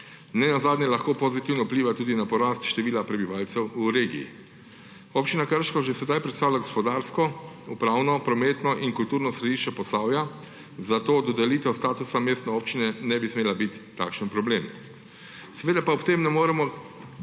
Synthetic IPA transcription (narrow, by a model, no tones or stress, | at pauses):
nɛnazaːd̪njɛlaxkoːpozit̪iwnɔupliʋat̪uːd̪inapɔɾaːst̪ʃt̪ɛʋiːlapɾɛbiʋaːlt̪sɛwuɾeːɡḭː | opt͡ʃinakəɾʃkɔʒɛsɛd̪ajpɾɛt̪st̪aːwlʲaɡɔspɔd̪aɾskɔupɾaːwnɔpɾɔmeːt̪nɔʔiŋkult̪uːɾnɔsɾɛd̪iʃt͡ʃɛpɔst̪aːwja | zat̪oːd̪ɔd̪ɛliːt̪ɛwst̪aːt̪usameːst̪nɛoːpt͡ʃinɛnɛbismeːlabit̪ːaːkʃənpɾɔbleːm | sɛʋeːd̪apaɔpt̪emnɛmoːɾɛmɔ